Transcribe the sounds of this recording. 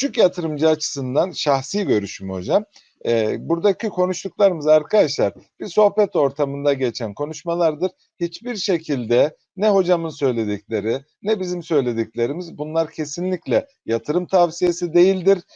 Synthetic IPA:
t͡ʃʰycjat̪ʰɯɾɯmd͡ʒaːt͡ʃʰɯ̥sɯnd̪anʃaxsiːɟø̞ɾyʃymho̞d͡ʒam | ɛbuɾd̪acʰikʰo̞nuʃt̪uklˠaɾɯmɯzaɾkʰad̪aʃlˠaɾb̥iɾso̞hbɛt̪o̞ɾt̪ʰamɯnd̪aɟe̞t͡ʃʰænkʰo̞nuʃmalˠaɾd̪ɯɾ̥ | hit͡ʃbiɾʃe̞cʰilʲd̪ɛ | nɛɦo̞d͡ʒamɯnsø̞jlʲe̞d̪iclʲe̞ɾi | nɛbizimsø̞jlʲe̞d̪iclʲe̞ɾimizbunlˠaɾcʰe̞sinlʲiclʲɛ | jat̪ʰɯɾɯmt̪ʰavsije̞sid̪e̞jilʲd̪iɾ

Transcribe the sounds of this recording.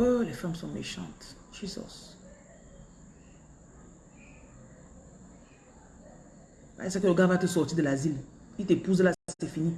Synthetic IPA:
olɛfamsɔ̃mḛʃɑ̰̃t̪ | ʃisɔ̰s | a̰ɛsɛkələɡavat̪əsɔʁt̪id̪əlazil | it̪epuzlasast̪ɛfini

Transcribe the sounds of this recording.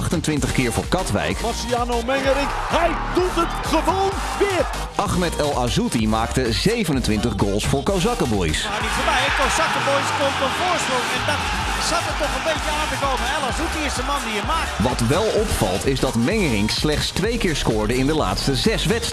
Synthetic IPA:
χtəntʋɪntəχkɪːɹvʊːɹkɑtʋɛ̰jkɑsiaːnowmɛŋəɾɪk | ɦɛjdutətχəʋown | ʋɪːr | ʔɑχmɛtɛlˠazutimaːktəzejvənəntʋɪntəχɡolˠsfʊːɹkozɑkəbɔjsmadifəbɛjəkosɑkəbojskomtənfoːɹsproŋɛndɔt | satəttɔχənbejtəaːntəkoːvəɛlˠazutiɪsdəmɑndiəmaːk̚tʋɑtʋɛlˠɔpfɑ̰lˠtɪzdɑtmɛŋərɪŋkslɛχtstʋejkɪːɹskʊːɹdəɪndəla̰ːtstəzɛsʋɛts

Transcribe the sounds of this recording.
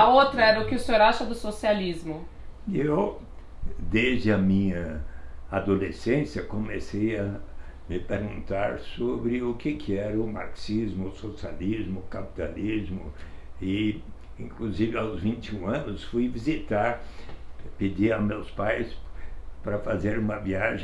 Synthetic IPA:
ɐowt̪ɾɐɛɾɐʊkɪʊseoɾaʃɐd̪ʊsosializmʊ | ew | d̪ezd͡ʒɪɐmĩɲɐ | ad̪olesẽsjɐkõmesejɐ | mɪpeɾɡũnt̪aɾsobɾɪʊkɪkʰɪɛɾɐʊma̰ɾksizmʊsosializmʊːkapi̥t̪alizmʊɪ | ĩŋkluzivɪawzvĩnt͡ʃɪũɐ̃nʊsfujvizit̪aɾ | ped͡ʒiɐmewspajspɾɐfazeɾũmɐviaʒẽ

